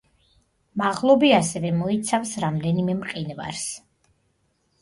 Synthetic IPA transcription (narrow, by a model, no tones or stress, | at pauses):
maʁlˠɔbiasɛvɛmɔit̪sʰafsɾamd̪ɛnimɛmqʼinva̰ɾs